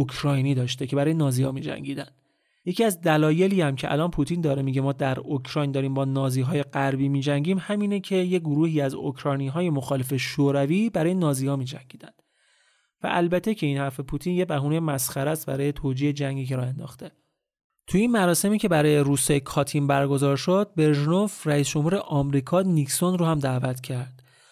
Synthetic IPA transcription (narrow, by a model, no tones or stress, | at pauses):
okʰɾɒːjniːd̪ɒːʃt̪e̞cʰe̞bæɾɒːjenɒːziːhɒ̰ːmiːd͡ʒæ̰ŋɟiːd̪ænd̪̥ | je̞cʰiːæzd̪ælɒːje̞liːæmcʰeʔæ̰lɒːnpʰuːt̪ʰind̪ɒːɾemiɟemɒːd̪æɾokʰɾɒjnd̪ɒːɾiːmbɒːnɒːziːɦɒːje̞ɡæɾbiːmiːd͡ʒæɲɟiːmhæmiːnecʰe̞jeɡoɾuːhiːæzo̰kʰɾɒjniːɦɒːje̞moxɒːle̞fe̞ʃoːɾæviːbæɾɒːje̞nɒːziːhɒːmiːd͡ʒæŋɟiːd̪ænd̪̥ | væ̰ʔælbæt̪ʰːe̞cʰe̞iːnhæɾfe̞pʰut̪ʰiːnjebæɦuːnejmæsxæɾæst̪̚bæ̰ɾɒːje̞t̪ʰoːd͡ʒiːed͡ʒæŋɟiːceɾɒːend̪ɒ̰ːxt̪ʰe̞ | t̪ʰuinmæɾɒːse̞miːcʰe̞bæɾɒːje̞ɾuːsejekʰɒːt̪ʰimbæɾɡo̞zɒːɾʃod̪̥̚be̞ɾʒno̞vræiːsd͡ʒo̞mhuːɾeʔɒmɾiːkʰɒːniksonɾoːhæmd̪æːvæt̪ʰcʰæɾd̪̥